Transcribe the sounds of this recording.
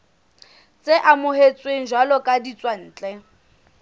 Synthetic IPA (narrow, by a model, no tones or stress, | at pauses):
t͡sʼeʔamʊɦet͡sʼweŋ̩ʒwalɔkʼadit͡sʼwan̩ːt͡ɬʼɛ